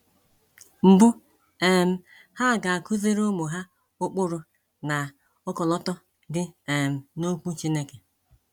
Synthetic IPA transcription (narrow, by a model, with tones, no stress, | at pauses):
m̩˨bʊ˦ | e˨m̩˦ | ha˦˨ɡa˨a˨kʊ˦zi˦ɾo˦mʊ˨ɦa˦ | ʊ˦k͡pʊ˦ɾʊ˨ | na˨ | ɔ˦kɔ˨lɔ˦tɔ˦ | dɪ˦e˨m̩˨no˦kʷu˦t͡ʃi˦ne˦ke˨